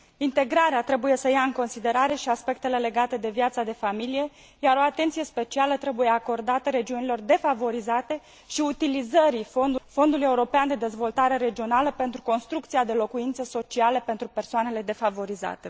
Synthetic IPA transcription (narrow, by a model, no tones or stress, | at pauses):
int̪e̞ɡɾaɾeat̪ɾe̞buje̞səjaɨŋko̞nsid̪eɾaɾe̞ʃiaspe̞k̚t̪e̞le̞le̞ɡat̪e̞d̪e̞vijat̪sad̪e̞familije̞ | jaɾo̞at̪e̞nt̪sije̞spe̞t͡ʃialət̪ɾe̞buje̞ako̞rd̪at̪əɾe̞d͡ʒiunilo̞rd̪e̞favo̞ɾizat̪e̞ | ʃiut̪ilizəɾifo̞nd̪fo̞nd̪uluje̞uɾo̞peand̪e̞d̪e̞zvo̞lt̪aɾe̞ɾe̞d͡ʒio̞naləpe̞nt̪ɾuko̞nst̪ɾukt̪sijad̪e̞lo̞kuint̪səso̞t͡ʃialepe̞nt̪ɾupe̞rsoane̞le̞d̪e̞favo̞ɾiza̰t̪e